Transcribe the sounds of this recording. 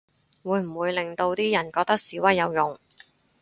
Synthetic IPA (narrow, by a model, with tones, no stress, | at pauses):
wuː˨˧jm̩˨˩wuː˨˧jlɪ˨ŋt̪o˧wt̪iː˥jɐ˨˩nkɔː˧k̚t̪ɐ˥k̚siː˨˥wɐ˥jjɐ˨˧wjʊ˨ŋ